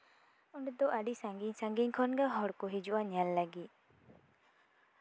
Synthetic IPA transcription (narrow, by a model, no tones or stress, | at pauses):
uɳɖd̪ɔʔaɖisaŋɡiɲsãŋɡiɲkʰɔnɡaɦɔɽkɔɦid͡ʒuaɲalːaɡi